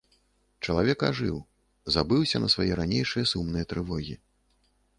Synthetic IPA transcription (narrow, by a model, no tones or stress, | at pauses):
t͡ʂɐlˠavʲɛka̰ʐɨw | zabɨwsʲɐnɐsvajɛɾanʲejʂɨjɐsumnɨjɐt̪ɾɨvɔɣʲi